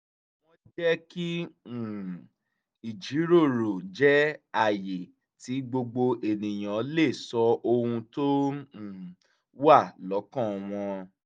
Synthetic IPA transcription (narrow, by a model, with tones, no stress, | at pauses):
w̃ɔ̃˦d͡ʒɛ˦ki˦˨ | i˨d͡ʒi˨˦ɾo˦˨ɾo˨d͡ʒɛ˦a˦˨je˨ | ti˨˦ɡ͡bo˧ɡ͡bo˧ʔe˨nĩ˨j̃ã˨˦le˦˨sɔ˧o˧hũ˧to˦˨ | wa˦˨lɔ˨˦kã˦˨w̃ɔ̃˧